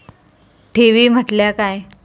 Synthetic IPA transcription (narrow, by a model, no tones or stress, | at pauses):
ʈʰeʋiːm̤əʈljakaj